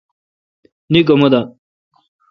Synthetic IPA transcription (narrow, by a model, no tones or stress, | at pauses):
nik̬omɐd̪a